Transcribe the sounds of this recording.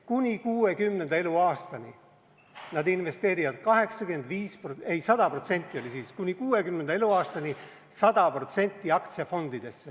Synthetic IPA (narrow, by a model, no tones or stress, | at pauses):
kunʲikuːe̞kymːne̞nd̪̥ɑe̞luɑːst̪ɑnʲi | nɑd̪inve̞st̪e̞ːɾivɑd̪̥̚kɑɦe̞ksɑɡyend̪viːspoe̞jsɑd̪̥ɑpro̞t̪se̞nʲt̪ːˑio̞lʲisiːskunʲikuːe̞kymne̞nd̪̥ɑe̞luɑːst̪ɑni | sɑd̪̥ɑpro̞t̪se̞nʲt̪ːˑiɑkt̪siɑfo̞nd̪̥id̪̥e̞sːe